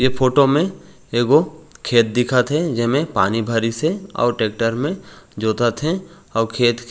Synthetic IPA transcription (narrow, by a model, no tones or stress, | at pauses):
jepʰoːʈomẽ | eːɡokʰeːt̪̚d̪ɪkʰat̪ʰɛd͡ʒɛɦmẽpaːnibʱəɾiseɔ̰ːɾʈeːk̚ʈəɾmẽd͡ʒoːt̪at̪ʰe | ɔːɾkʰeːt̪k